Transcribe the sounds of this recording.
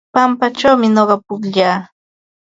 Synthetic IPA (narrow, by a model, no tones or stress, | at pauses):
pampat͡ʃawmɪnoɢɑpʊkʎaː